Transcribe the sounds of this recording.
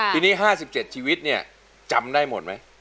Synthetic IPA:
t̪ʰiː˧niː˦˥ɦaː˥˩si˨˩p̚t͡ɕe˨˩t̪̚t͡ɕʰiː˧wi˦˥t̪̚ni˥˩ɐ | t͡ɕa˧mdaː˥˩jmo˨˩t̪̚ma˦˥j

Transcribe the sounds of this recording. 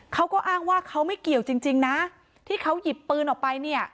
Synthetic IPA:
kʰa˦˥wkɔː˥˩ʔaː˥˩ŋwaː˥˩kʰa˦˥wma˥˩jki˨˩əwt͡ɕi˧ŋt͡ɕi˧ŋna˦˥ | t̪ʰiː˥˩kʰa˦˥wji˨˩pːɯː˧nʔɔː˨˩k̚pa˧jni˥˩ɐ

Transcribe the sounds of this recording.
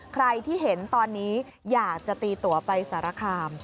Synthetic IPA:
kʰɾa˧jt̪ʰiː˥˩ɦe˩˦nt̪ɔː˧nːiː˦˥ | jaː˨˩k̚t͡ɕa˨˩t̪iː˧t̪u˨˩ɐpa˧jsaː˩˦ɾa˧kʰaː˧m

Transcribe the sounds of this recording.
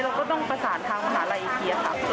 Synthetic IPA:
jɾaː˧wkɔː˥˩t̪ɔ˥˩ŋpa˧saː˩˦nt̪ʰaː˧ŋpʰa˧ɦa̰ː˩˦la˧jʔi˧˩kʰi˧ɐ˧kʰa̰˧˩

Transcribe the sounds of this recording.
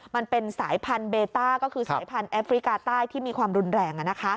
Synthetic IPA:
ma˧npe˧nsaː˩˦jpʰa˧nbeː˧t̪aː˥˩kɔː˥˩kʰɯː˧saː˨˦jpʰa˧nʔɛː˦˥fɾi˦˥kaː˧t̪aː˥˩jt̪ʰiː˥˩miː˧kʰwaː˧mɾu˧nɾɛː˧ŋʔa˨˩na˦˥kʰa˦˥

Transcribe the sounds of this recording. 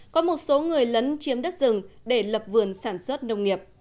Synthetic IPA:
kɔ˨˦mo˨˩t̚so˨˦ŋɨ˨˩əjlə˨˦nt͡ɕi˨˦əmɗə˦˥t̚zɨ˨˩ŋɗe˧˩lə˨˩p̚vɨ˨˩ənsaː˧˩nswə˦˥t̚nə˧wŋ͡mŋi˨˩əp̚

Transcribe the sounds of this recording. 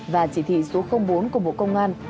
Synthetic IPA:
vaː˨˩t͡ɕi˧˩t̪ʰḭ˧˨so˨˦xə˧wŋ͡mɓo˨˦nku˧˩əɓo̰˧˨kə˧wŋ͡mʔaː˧n

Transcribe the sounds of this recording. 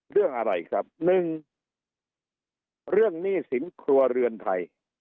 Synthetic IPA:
ɾɯ˥˩əŋʔa˧ɾa̰˧jkʰɾa˦˥p̚nɯ˨˧ŋ | ɾɯ˥˩əŋniː˥˩si˨˩˦nkʰɾu˧ɐɾɯ˧ənt̪ʰa˧j

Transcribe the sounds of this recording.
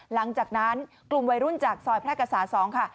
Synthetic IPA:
la˨˩˦ŋt͡ɕaː˨˩k̚na˦˥n | klu˨˩mwa˧jɾu˥˩nt͡ɕaː˨˩k̚sɔː˨˩jpʰlɛː˥˩ka˧˩saː˩˦nsɔː˩˦ŋkʰa˥˩

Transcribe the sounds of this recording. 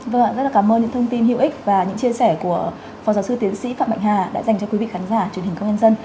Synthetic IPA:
və˧˨zə˦˥laː˨˩kːaː˧˩mʔəː˧nɲɨ̰˧˥ŋt̪ʰə˧ŋ͡mt̪i˧nɦḭ˧˨wʔi˦˥k̟̚vaː˨˩ɲɨ̰˧˥ŋt͡ɕi˧əsɛ˧˩ku˧˩ə | fa˨˩wzaː˨˦wsɨ˧t̪i˨˦ənsḭ˧˥faː˧˨mɓ̰a̰˧˨jhaː˨˩ɗa̰ː˧˥za˨˩ŋ̟t͡ɕɔ˧kwi˨˦ḭ˧˨ŋxaː˨˦nzaː˧˩t͡ɕwi˨˩nɦi˨˩ŋkə˧wŋ͡mɲaə˧nzə˧n

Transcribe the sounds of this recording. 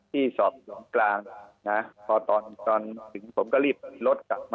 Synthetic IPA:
t̪ʰiː˥˩sɔː˨˩p̚su˨˩˦mŋklaː˧ŋna˦˥pʰɔː˧t̪ɔː˧nt͡ɕ̪ɔː˧nt̪ʰɯ˩˦ŋpʰo˩˦mkɔː˥˩ɾiː˥˩p̚lo˦˥t̪̚ka˨˩p̚ma˧

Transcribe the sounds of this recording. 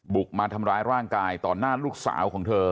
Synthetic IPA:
bu˨˩k̚maː˧t̪ʰa˧mɾaː˧˥jɾaː˥˩ŋkaː˧jt̪ɔː˨˩nːaː˥˩luː˥˩k̚sa̰ː˩˦wkʰɔː˩˦ŋt̪ʰɤː˧

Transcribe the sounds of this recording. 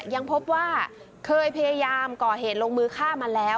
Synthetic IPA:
ja˧ŋpʰo˦˥p̚waː˥˩ | kʰɤː˧jpʰa˧jaː˧jaː˧mkɔː˨˩ɦeː˨˩t̪̚lo˧ŋmɯː˧kʰaː˥˩ma˧lɛː˦˥w

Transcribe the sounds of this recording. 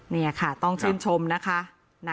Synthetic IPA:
ni˥˩ɐkʰa˥˩t̪ɔ˥˩ŋt͡ɕʰɯː˥˩nt͡ɕʰo˧mna˦˥kʰa˦˥ | na˧˥

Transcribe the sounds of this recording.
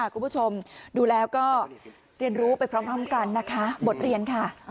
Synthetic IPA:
kʰu˧pʰu˥t͡ɕʰo˧mduː˧lɛː˦˥wkɔː˥˩ | ɾi˧ənɾuː˦˥pa˧jpʰɾɔ˦˥mkʰa˦˥˨mka˧nːa˦˥kʰa˦˥bo˨˩t̪̚ɾi˧ənkʰa˥˩

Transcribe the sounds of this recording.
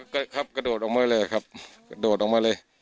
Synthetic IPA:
ka˧kʰa˦˥p̚ka˧doː˨˩t̪̚ʔɔː˨˩maː˧˥jlɤː˧˩a˨˩kʰa˦˥p̚ka˧doː˨˩t̪̚ʔɔ˨˩maː˧˥lɤː˧j

